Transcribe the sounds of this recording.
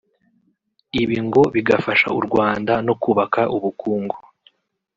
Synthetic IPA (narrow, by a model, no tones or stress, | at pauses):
iβiŋɡo̞βiɡafaʃa̰uɾɡwaːndano̞kuːβakaʔuβukuːŋɡo